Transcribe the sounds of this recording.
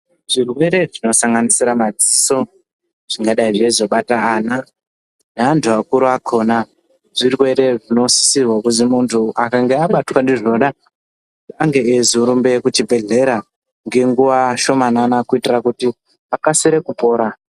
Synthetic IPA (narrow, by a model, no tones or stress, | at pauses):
ʐ̥irwe̞ɾe̞ʐino̞saŋɡanisiɾamad͡ziso̞ | ʐ̥iŋɡaɗaiʐezo̞ɓataːna | nantʰuakuɾuakʰo̞ːna | ʐ̥irwe̞ɾe̞ʐino̞si̥sirwakuzimuntʰuʔakaŋɡe̞aɓatwandiʐnoɗa | aŋɡe̞ezuɾumbe̞kut͡ʃibʱe̞ɮe̞ɾa | ŋɡe̞ŋɡuʋaʃo̞mananakuitirakuti | akasiɾe̞kupo̞ːɾa